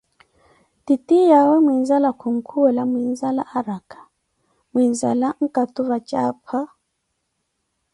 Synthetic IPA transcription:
titijawɛmwinzalakuŋ̩kʰuɛlamwinzala̰ʔaɾakḁ | mwinza̰laŋ̩katuβat͡ʃapʰa

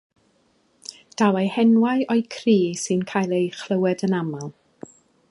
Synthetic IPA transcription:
d̥awejhɛnwajʔɔɨkʰriːsɨnkʰajlˠejχləwɛdənamalˠ

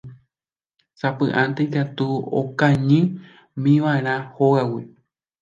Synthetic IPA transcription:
sapɨ̃ʔãnt̪eikat̪uo̰kãɲɨ̃ | mĩʋãeɾ̃ãhoɣawi

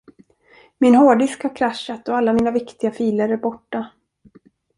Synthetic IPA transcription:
mɪnhoːɖʏskhaɾkʰɾaʃːat̪ɔalːamiːnavɪkt̪ɪɡafiːləɾæɾbɔʈːa

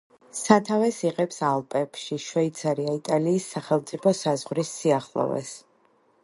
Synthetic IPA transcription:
sat̪ʰavɛsiʁɛpsalˠpʼɛpʃiʃwɛit̪sʰaɾiait̪ʼaliːsːaχɛlˠmt̪sʼipʰɔsazʁɾisːiaχlˠɔ̰vɛ̰s

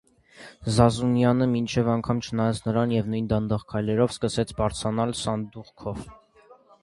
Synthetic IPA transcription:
zɑzunjɑnəmint͡ʃʰɛvɑŋkʰɑmt͡ʃʰənɑjɑt͡sʰnəɾɑnjɛvnujnd̪ɑnd̪ɑʁkʰɑjlɛɾɔvskəsɛt͡sʰbɑɾt͡sʰɑnɑlsɑnd̪uʁkʰɔv

